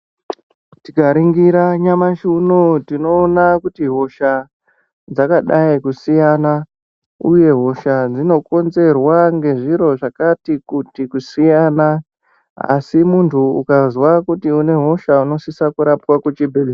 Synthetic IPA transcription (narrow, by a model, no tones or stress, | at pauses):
tikaɾiŋɡiɾaɲamaʃunotino̞ːnakutiɦo̞ʃa | d͡zakaɗaikusijana | uje̞ɦo̞ʃad͡zino̞ko̞nze̞rwaŋɡe̞ʐiɾo̞ʐakatikutikusijaːna | a̰simuntʰuṵkazwakutiune̞ɦo̞ʃauno̞sisakuɾapwakwut͡ʃibʱeli